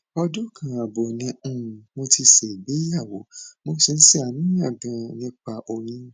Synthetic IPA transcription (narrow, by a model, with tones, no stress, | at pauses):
ɔ˧dũ˦kʰã˨a˨bo˨nĩ˨˧˦mo˧ti˧ʃe˨bi˨˦ja˦˨wo˨˦mo˧˦si˨˧n̩˦si˦a˨mĩ˦ã˦˨ɡã˨nĩ˧˦k͡pa˨ʔo˨j̃ĩ˧